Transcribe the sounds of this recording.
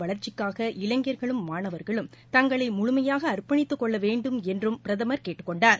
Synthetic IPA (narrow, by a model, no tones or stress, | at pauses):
ʋɐɭɐɾt͡ʃːɪkːaːɣɐʔɪlɐŋɡɪjɐɾɣɐɭɯmːaːɳɐʋɐɾɣɐɭɯmt̪ɐŋɡɐɭɐɪmʊɻʊmɐjaːɣɐːɾpːɐɳɪt̪ːɯkːɔɭːɐʋeːɳɖɯmɛndrɯmpɪɾɐðɐmɐɾkeːʈːɯkːɔɳɖaːɾ